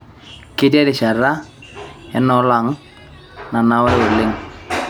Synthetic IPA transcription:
kɪ˦dɛ˦dɪ˨ʃa˨ɾa˦ | ɛ˦nɔ˨˦la˨ŋ | na˨na˨wɛ˦o˨lɪ˦ŋ

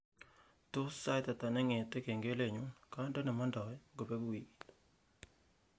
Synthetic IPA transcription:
to˦sa˦t̪a˨ta˨nɛ˦ŋe˨te˦ke˨ŋɡe˦le˨ɲu˨˦nka˦ndɔ˦nɛ˨ma˦ndɔ˨ɛ˦ɡo˨be˦ɡwi˨

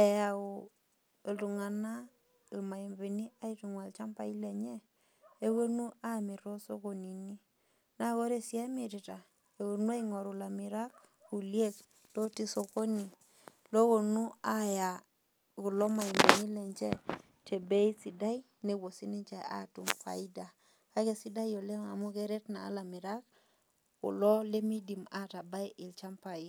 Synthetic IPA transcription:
ɛ˨ja˨o˨ | ltu˨ŋa˨na˦˨ | lma˨i˨mbi˨ni˦a˦i˦tu˨ŋwa˨lt͡ʃa˦mpa˨i˦lɛ˨ɲɛ˦ | e˦we˦nu˦a˦mi˨ɾɔ˦so˦ko˨ni˨ni˦ | na˦ko˦ɾe˦˨si˨a˦mi˨ti˨ta˨ | e˨wo˨nu˦a˦iŋo˨ɾu˨la˨mi˨ɾa˦k̚ | ku˨lje˦k | to˦ti˦so˨ko˦ni˨ | lo˦ko˨nu˦a˦ja˨ | ku˨lɔ˦ma˨i˨me˨ni˦lɛ˨ɲt͡ʃɛ˦ | tʰe˨be˦i˦si˨da˦i˦ | ne˨wo˨si˦ni˦ɲt͡ʃa˨a̰˦˨tu˨mfa̰˨i˦da˨ | ka˦ke˨si˦da˦jo˨le˦ma˨mu˦kɛ˦ɾɛ˦tna̰ː˨˦la˨mi˨ɾa˦k | kʊ̰˨lɔ˦le˦mi˦di˨ma˦˨ta˨ba˦jʔɪ˨lt͡ʃa˦mpa˨i˨˦

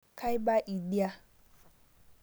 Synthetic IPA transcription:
kʰa˦jba˦ʔi˨di˦a˦

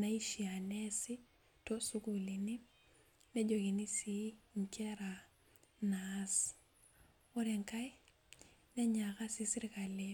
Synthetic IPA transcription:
na˦i˦ʃi˨a˨nɛsɪ˦ | tɔ˦sukuli˨ni˦ | nɛ˦d͡ʒo˨ki˨ni˦siŋkɛ˦ɾa | nas | ɔ˦ɾɛ˨ŋkaj | nɛ˦ɲaka˦sisi˦ɾika˨le

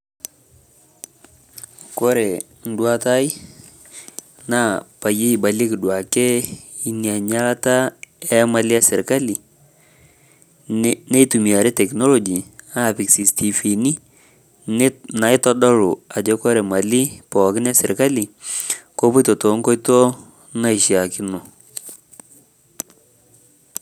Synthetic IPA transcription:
ko˦ɾɛ˨ | n̩˦dwa˦ta˦ɪ˦ | na˦pa˨je˦i˨ba˨le˦kɪ˨dwa˨kɛ˦ | i˦nja˨ɲa˦la˦ta˦ɛ˦ma˨lɪ˦a˦sɛ˨ɾka˦li˨ | ne˦tu˨mi˨a˨ɾɛ˦tɛ˨knɔ˦lɔ˨d͡ʒi˨a˦˨pɪ˨ksi˨stʰi˨fi˨ni˦ | na˨ɪ˦tɔ˦dɔ˦ɾu˨a˨d͡ʒɔ˦kɔ˦ɾɛ˨ma˨li˦pɔ˨kɪ˦n˦a˦sɛ˨ɾka˦li˨ko˦pɔ˦tɔ˨to˨˦ŋkɔ˦jto˦ | na˦ɪ˨ʃa˨kɪ˦no˨

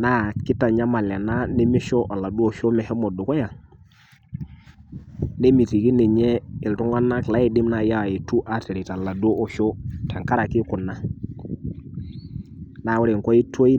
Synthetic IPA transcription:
na˦kɪ˦ta˨ɲa˦ma˨lɛ˨na˦ne˦mi˦ʃɔ˦ʔa˨la˨du˦ɔ˨ʃɔ˦mɛ˨hɛ˦mɔ˨du˨kɔ˦ja˨ | ne˦mi˨ti˨ki˦nɛ˨ɲɛ˦ɪ˨ltu˦ŋɡa˦na˦kɪ˨la˦i˨dɪ˦mna˨ja˦wa˨i˨tu˦ʔa˨tɛ˨ɾi˨ta˨la˨do˦ʔɔ˨ʃo˦ta˨ŋka˦ɾa˨kɪ˦kʊ˨nːa˦ | naː˨wʊ˦ɾe˨ŋkɔ˦i˦to˦i˦

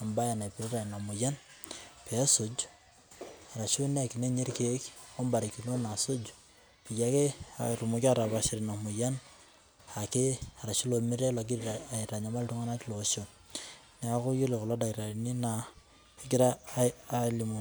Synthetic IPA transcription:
a˨mba˦ja˨na˨pi˨ɾi˦ɾa˨na˨mu˨ja˦n | pɛ˨˦so˨d͡ʒ | a˨ɾa˨t͡ʃu˦n˦a˨ki˨ne˦ɲe˦ɾke˦ko˦mba˨ɾi˨ki˨no˦na˨so˦d͡ʒ | pi˨ja˨˦ke˦a̰˨ɾu˨mu˨ki˦a˦ɾa˨ba˨ʃi˨ɾi˨na˨mu˨ja˦n | a˨ke˦a˨ɾa˨ʃu˦lo˨mi˦ɾe˦la˨ɡ̬i˦ɾa˨ɾa˨ɲa˨ma˦ltu˦ŋa˦na˦ti˦lo˨o˨ʃo˨ | nɛ˨˦a˨ku˦ju˦le˨ko˨la˦da˨kɾa˨ɾni˦na˨ | e˦ɡi˦ɾaː˦ | li˨mu˨

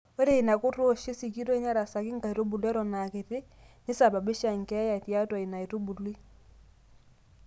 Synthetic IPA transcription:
e˦ɾe˦i˨na˨ko˦to˦ʃe˦si˨ki˦to˦ɲa˦ɾa˨sa˨ki˦ŋɡa˨i˨to˦bu˨lwɛ˦ɾɔ˨na˨ke˨tɪ˦ni˦sa˨ba˨be˦ʃa˨ŋkɛ˨˦ja˨tja˦twa˨i˨na˨i˨to˦bu˨lwi˦

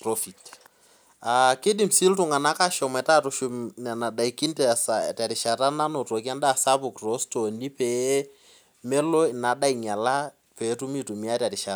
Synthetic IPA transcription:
pro˦fi˨t | a˨kɪ˦di˨m̩si˦ltʊ˨ŋa˨na˦ka˦ʃɔ˨mɛ˨ta˦tʊʃu˦mna˨na˨da˨i˨ki˦ntɛ˨sa̰˨ta˨ɾɪ˨ʃa˨ɾa˦na˦no˨to˨ki˦a˦nda˦˨sa˦bʊ˨kro˦sto˨ni˦pe˦ | mɛ˦lo˦ɪ˨na˨da˦i˨ɲa˨la˦ | peː˨˦tʊ˦mi˦tʊ˨mi˦a˦ta˨ɾɪ˨ʃa˨ɾ

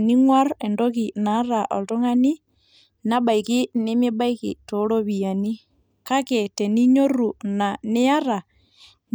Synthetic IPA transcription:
ni˦ŋwa˦ɾɛ˨ndɔ˦ki˨na˨˦ɾa˨ʔɔ̰˨lto˦ŋa˦ni˦ | na˦ɓa˨i˨ki˦ne˦me˦ba˦i˦kḭ˨to˨˦lo˦βi˨a˨ni˦ | ka˦kɛ˨tɛ˨ni˦ɲo˦ɾu˨na˨nɪ˦a˦ɾa˨ | n

